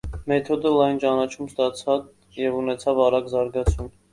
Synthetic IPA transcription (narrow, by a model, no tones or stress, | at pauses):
mɛt̪ʰɔd̪əlɑjnt͡ʃɑnɑt͡ʃʰumst̪ɑt͡sʰɑt͡s | jɛvunɛt͡sʰɑvɑɾɑɡzɑɾɡɑt͡sʰum